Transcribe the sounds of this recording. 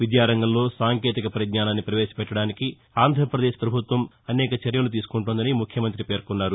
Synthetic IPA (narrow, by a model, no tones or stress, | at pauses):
ʋid̪jaːɾɐŋɡɐmlo̞ːsaːŋket̪ikɐpɐɾɐd̪̚naːnaːnːipɾɐʋeːʃɐ̥pɛʈːɐɽaːniki | aːnd̪ʱɐɾɐpɾɐd̪eːʃpɾɐbʱut̪ʋɐm | ɐnɛːkɐt͡ʃɐɾjɐlut̪̬iːsu̥kuɳʈund̪ɐnimukʰjɐmɐnt̪ɾipe̞ːɾkunːaːɾu